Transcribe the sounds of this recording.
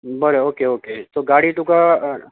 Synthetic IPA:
bəɾeoːkeoːket̪oɡaːɽit̪uka

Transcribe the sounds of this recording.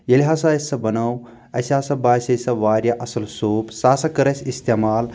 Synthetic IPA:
jɐlʲiɦaːs̬ajɐsɐbɐnɐw | ɐsʲaːsɐbaːsʲɐjsɐʋaːɾʲjɐʔɐsɐlsoːpsaːsɐkɐɾɐsʲist̪emaːl

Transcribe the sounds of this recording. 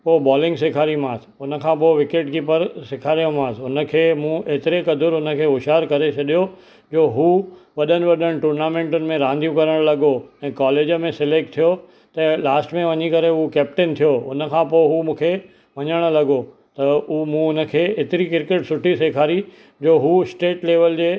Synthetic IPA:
poːbaːlɪ̃ŋɡseːkʰaːɾimãːs | ʊnə̆kʰãːp̬oʋɪkeːʈ̚d͡ʑipɐɾsɪkʰaːɾijõmãːsʊnə̆kʰeːmũʔeːt̪ɪɾekɐd̪ʱʊɾʊnə̆kʰeːʊʃaːɾkɐɾet͡ɕʰɐɗijo | d͡ʑoːɦuʋɐɗənɪ̆ʋɐɗəɽ̃̆ʈuːɾnaːmẽːɳʈʊnɪ̆mẽɾãːnd̪ijũkɐɾəɽ̃lɐɠoɛ̃ːkaːleːd͡ʑmẽsɪleːk̚ʈt̪ʰijo | t̪ɐlaːsʈmẽʋɐɲikɐɾeɦukɛːp̚ʈɪnt̪ʰijoʊnə̆kʰãːpoɪɦumũːkʰe | ʋɐɲəɽ̃̆lɐɠo | t̪ɐumũʊnə̆kʰeːeːt̪ɪɾikɪɾkeʈsʊʈʰiseːkʰaːɾi | d͡ʑoːɦuːɪsʈeːʈleːʋəld͡ʑeː

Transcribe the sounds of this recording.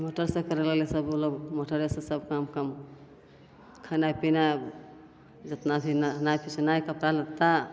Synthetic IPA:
moʈəɾsẽkəɾelelesəboloɡmoʈəɾesẽsəb̚kamkəm | kʰanajpina | d͡ʒət̪nabʰʱinanajpʰisnajkəpɾalət̪ːa

